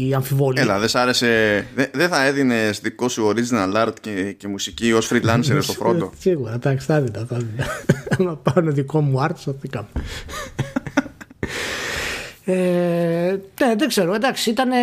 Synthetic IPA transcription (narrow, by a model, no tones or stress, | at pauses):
ɐɱfivolelɐðesɐɾe̞seðeðeθɐeðinest̪ðikosuoɾiznɐlɐɾt̪cecemusiciosfɾilɐnseɾest̪ofɾonosiɣuɾɐd̪ɐksθɐðid̪ɐθɐðilɐɐmɐpɐuneðiko̞muɐɾt̪o̥sɐθikɐme | e | neðeɡze̞ɾod̪ɐksiit̪ɐne